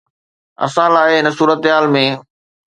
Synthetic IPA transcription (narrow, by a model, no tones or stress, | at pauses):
ɐ̰sãːlaːɦeɦɪnəsuːɾət̪ɦaːlmẽ